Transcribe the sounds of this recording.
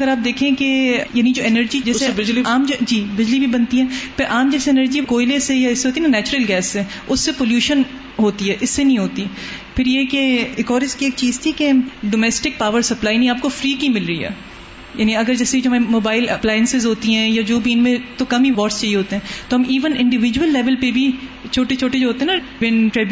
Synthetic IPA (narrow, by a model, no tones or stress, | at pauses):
ɐɡəɾaːp̚d̪eːkʰẽkejaːnid͡ʒoːɛnəɾd͡ʒid͡ʒɛːseiaːmd͡ʒiːbɪd͡ʒlibʱibɐnt̪iɦɛ̃ːpɪɾʔaːmd͡ʒɛːseːnəɾd͡ʒikoːɪlesejaɪsːeɦoːt̪inanɛːt͡ʃʊɾəlɡɛːsːe | ʊsːepoːljuːʃən | ɦoːt̪iɦɛːʔɪsːenɐɦĩɦoːt̪i | pʰɪɾjekeeːkɔːɾɪskieːk̚t͡ʃiːzt̪ʰikeɖoːmɛːsʈɪk̚paːʋəɾsɐplaːinɐ̃ɦĩaːp̚kofɾiːkimɪlɾəḭɦɛ̰ː | jaːniɐɡəɾd͡ʒɛːseid͡ʒoɦɐmaːmoːbaːɪlɐplaːɪə̃nsɪzɦoːt̪iɦɛ̃jad͡ʒoːbiɪnmẽt̪okɐmiʋɔːʈst͡ʃɐɦieɦoːt̪eɦɛ̃ːt̪oɦɐmiːʋənɪ̃ɳɖɪʋɪd͡ʒuəlːɛːʋəlpebʱi | t͡ʃʰoːʈet͡ʃʰoːʈed͡ʒoɦoːt̪eɦɛna | ʋɛnʈɾɛːbj